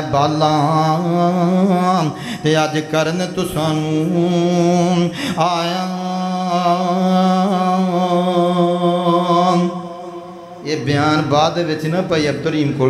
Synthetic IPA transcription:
baːlːaː | t̪eːəd͡ʒkəɾnet̪ʊsãːnũː | aːjãː | eːbɪjaːnbaːd̪ʋɪt͡ʃnãːpəiːəb̚d̪ʊɾiːmkoː

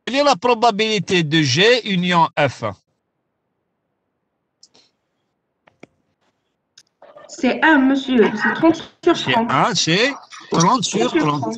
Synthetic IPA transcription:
ɛlɛlapʁɔbabilit̪ed̪əʒeynjɔ̃ʔɛf | sɛʔɛ̃məzjøsɛt̪χɑ̃t̪syʁsɛ̃ɛ̃sɛt̪ʁɑ̃t̪syʁlɑ̃t̪

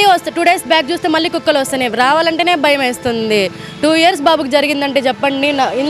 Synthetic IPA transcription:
iʋɐst̪ːʈuɖeːsbjaːk̚t͡ʃuːst̪eːmɐlːiːkukːɐlʋɐst̪ɐneːʋɾaːʋaːlɐɳʈe̞ːneːbʱɐjɐmeːst̪und̪i | ʈuːijɐɾs̬baːbukid͡ʒɐɾiɡind̪ɐɳʈeːt͡ʃɛpːɐɳɖinɐin

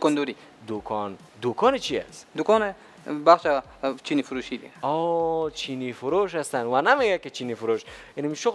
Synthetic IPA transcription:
kɔnd̪oɾi | d̪ukʰɔn | d̪ukʰɔnet͡ʃʰia̰sd̪ukɔne | baχʃa | t͡ʃʰinifuɾuʃid̪ḭɔt͡ʃʰinifuɾoʃ̬ast̪anwanameɡaket͡ʃʰinifuɾoʃinimʃo

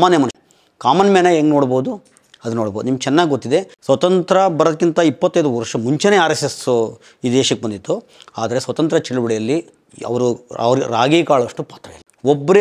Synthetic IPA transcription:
maːnjɐmɐnu | kaːmɐnɐmenɐeːŋɡnoːɽboːd̪u | ɐd̪ɐnoːɽboːd̪unimɐɡ̚t͡ʃɛnːaːɡʲɡot̪ːid̪e̞sʋɐt̪ɐnt̪ɾɐbɐɾɐd̪ɐkːint̪ɐipːɐt̪ːɐjd̪uʋɐɾʂɐmuɲt͡ʃeneːaːɾeses | iːd̪eːʃɐkːebɐnd̪it̪ːu | aːd̪ɐɾe̞sʋɐt̪ɐnt̪ɾɐt͡ʃɛɭubɐɽɛjɐlːi | ɐ̰ʋɐɾuɐ̰ʋɐɾɾaːɡiːkaːɭʋɐʂʈupaːt̪ɾɐjɐ̰lːi | ɔbːɐɾe

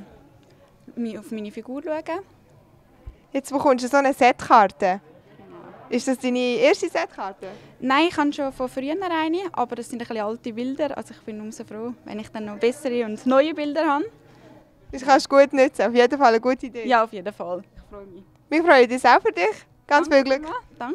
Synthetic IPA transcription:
miʊfmiːnifiɡuːɾluəɡ̥ə | jɛt͡soχʊnʃəsonəsɛtkɑɾtə | ʔɪʃd̥ɑsd̥iːnieːɾʃtisɛtkɑːɾtənaɪɪχhɑnʃofofryənəɾaɪniʔɑ̰bəɾdɛsːɪndəχliɑltibɪldəɾʔɑ̰lsoɪχb̥ɪnːʊmsofroːvɛ̰nɪχd̥ɛnːɔb̥ɛsəɾiʊndnɔʏibɪldəɾhɑn | ɪχɑʃɡ̥uətnʏt͡səaʊfjedəfɑləɡuətiideːjɑːʊfjedəfɑlɪχfɾɔ | mɪχfɾɔʏədɪːsaʊfʏɾdɪχ | ɡ̥ɑnt͡sfilɡlʏkd̥ɑŋ

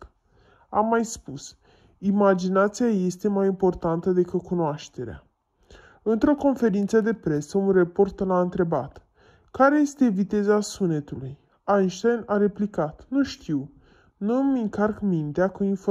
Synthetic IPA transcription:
a̰mːajspus | imad͡ʒinat̪siaje̞st̪e̞majimpo̞rt̪ant̪əd̪e̞kɨt̪̚kunoaʃt̪e̞ɾea̰ | ɨnt̪ɾo̞ko̞nfe̞ɾint̪səd̪e̞pɾe̞səunrepo̞rt̪laɨnt̪ɾe̞bat̪ | kaɾe̞je̞st̪e̞vit̪e̞zasune̞t̪uluj | anʃt̪ajnaɾe̞plikat̪nuʃt̪ʰiw | numɨŋkarkmint̪eakuinfo

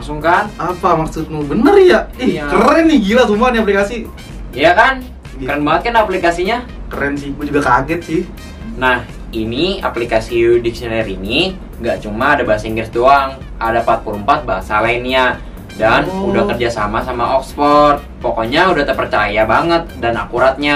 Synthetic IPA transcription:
ŋsuŋkanapamaksut̪̚nubənərjaɛkəɾɛŋiɡilasumaniaplikasi | jakan | kəɾənbaŋət̪̚kanaplikasiɲakəɾɛnsiɡud͡ʒuɡakaɡɛt̪̚sɪh | nah | inia̰plikasidik̚sionɛɾini | ŋɡaʔt͡ʃumaːdabaɦasaiŋɡərsdoaŋ | adapat̪̚puɾumpat̪̚baɦasalaɪnɲa | danudahkərd͡ʒasamasamaʔɔksfɔrt̪̚pokɔɲaudaht̪ərpərt͡ʃajabaŋət̪̚dana̰kuɾat̪̚ɲa

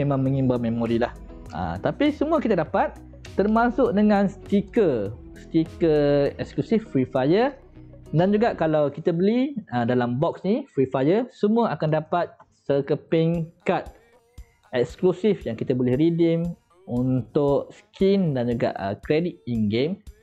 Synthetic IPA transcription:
emãŋmə̃ŋĩmbamẽmoɾilah | ə̰t̪apisəmuəkit̪adapat̪̚ː | ərmasʊʔ̚dəŋãnst̪ikə | st̪ikəɛksklusifːɾifajə | dand͡ʒuɡaʔkalawkit̪əbəliədalambɔksnifɾifajəsəmũəakandapat̪̚səkəpiŋkat̪̚ | ɛksklusifjaŋkit̪abolɪhɾidim | unt̪ʊʔskindand͡ʒuɡa̰ʔə̰kɾedit̪̚inɡem

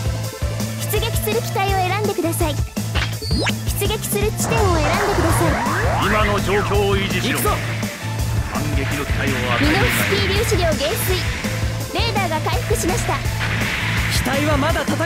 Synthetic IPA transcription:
çʲi̥t͡sɨɡe̞kʲi̥sɨɾɯ̟kʲi̥t̪aio̞e̞ɾãnd̪e̞kɯ̟d̪asai | çʲi̥t͡sɨɡʲe̞kʲi̥sɨɾɯ̟t͡ɕi̥t̪ẽ̞ɰ̃o̞e̞ɾãnd̪e̞kɯd̪asaiimano̞d͡ʑo̞ːkʲoːiʑiɕioko | hãŋɡe̞kʲino̞kʲi̥t̪aioamʲio̥kʲiːɾʲɨːɕiɡʲo̞ːɡẽ̞ɰ̃sɨi | ɾe̞ːd̪aːɡakaiɸɯ̟̥kɯ̟ɕimaɕi̥t̪a | kʲi̥t̪aiβamad̪at̪at̪a

